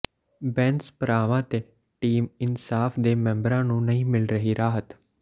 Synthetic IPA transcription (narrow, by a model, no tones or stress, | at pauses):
bɛːnspəɾaːʋãːt̪eː | ʈiːmɪnsaːfʰd̪eːmɛ̃mbɾãːnũːnəɦĩːmɪlɾəɦiːɾaːɦət̪